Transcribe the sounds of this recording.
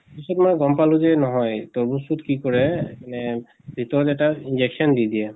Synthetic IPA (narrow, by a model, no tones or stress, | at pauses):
pisɔtmɔjɡɔmpalũzɛnɔɦɔjtɔɹbusutkikɔɹɛmanɛ | bʱitɔɹɔtɛtainzɛksɔndidiɛ